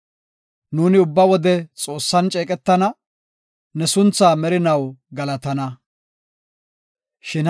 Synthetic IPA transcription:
nuːnɪʊbːɐwɔd̪ɛt͡sʼo̞ːsːɐnt͡ʃʼeːkʼɛt̪ːɐnɐ | nɛsʊnt͡sːaːmɛɾɪnɐwɡɐlɐt̪ɐnɐ | ʃɪn

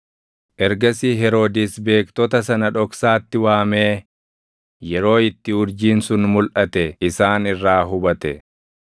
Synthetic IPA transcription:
ʔɛɾɡɐsiɦɛɾo̞ːd̪ɪsbe̞ːkt̪ɔt̪ɐs̬ɐnɐᶑɔksaːt̪ːɪwaːme̞ː | jɛɾo̞ːɪt̪ːɪhʊɾd͡ʒiːnsʊnmʊlʔɐt̪ɛɪsaːnɪrːaːɦʊbɐt̪ɛ̰

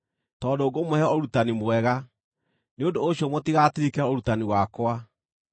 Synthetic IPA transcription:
tɔːndoːɡomohɛoɾutanimwɛɣa | neondoːɕɔmotiɣatiɾikɛoɾutaniwakwa

